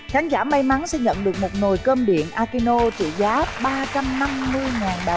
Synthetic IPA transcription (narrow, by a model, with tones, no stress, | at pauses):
xaː˨˦nzaː˧˩ma˧jma˨˦nsɛ̰˧˥ɲə̰˧˨nɗɨ˨˩ək̚mo˨˩t̚no˨˩jkəː˧mɓḭ˧˩ənʔaː˧ki˧no˧t͡ɕḭ˧˨zaː˨˦ɓaː˧t͡ɕa˧mna˧mːɨ˧əjŋaː˨˩nɗa˨˩